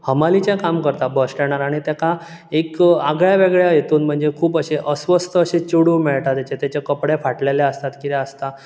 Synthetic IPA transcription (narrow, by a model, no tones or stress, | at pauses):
həmalit͡ɕakamkəɾt̪abʱəsʈɛɽ̃aɾaɽ̃it̪aka | ekaɡɭjaʋeɡɭjajet̪uːnm̤əɳd͡zekʰuːpəɕeʔəsʋəst̪ʰəːɕet͡ɕuɽuːmɛɭʈ̪at̪jat͡ɕet̪jat͡ɕekəpɽefaʈleleəst̪at̪kit̪eəst̪a